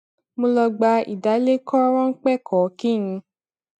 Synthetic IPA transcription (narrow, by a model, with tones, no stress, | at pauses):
mo˧lɔ˧ɡ͡ba˧ḭ˨da˨˦le˦kʰɔ˦ɾ̃ɔ̃˦ŋ̩˦k͡pɛ˦˨kʰɔ˨˦kĩ˦˨ĩ˧